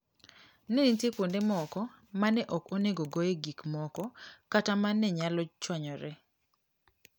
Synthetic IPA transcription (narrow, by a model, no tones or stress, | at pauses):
nɛnitjekondemɔkɔ | manɛʔɔkoneɡɔɡojeɡikmɔkɔkatamanɛɲalɔt͡ʃwaɲɔɾɛ